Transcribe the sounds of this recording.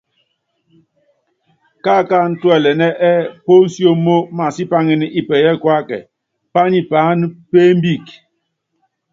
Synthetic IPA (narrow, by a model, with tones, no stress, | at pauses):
ka˦ka˦˨n̩˦twɛ˨lɛ˨nɛ˦ʔɛ˦po˦n̩˦sjo˦mo˦ma˨si˦pa˦ŋi˦ni˦ʔi˦pɛ˨jɛ˦˨kwa˦kɛ̰˨ | pa˦ɲi˦pa˨˦n˦pe˦m˦bi˦˨k